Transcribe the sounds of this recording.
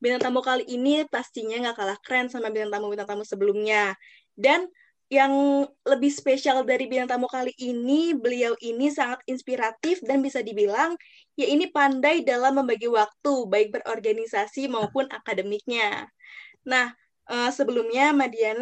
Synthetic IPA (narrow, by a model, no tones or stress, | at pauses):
bilaŋt̪amukaliʔːnipast̪iɲaŋɡakalahkɾɛnsamabilaŋt̪amubilaŋt̪amusəbəlumɲa | dan | jaŋləbɪhspeʃialdaɾibilaŋt̪amukaliʔːnibəliawʔinisaŋat̪̚inspiɾat̪ɪfdanbisadibilaŋ | jaʔinipandajdalamːəmbaɡiwak̚t̪ubaɪk̚bərʔorɡanisasimaupʊna̰kadəmik̚ɲa | nah | ʔəsəbəlumɲamadian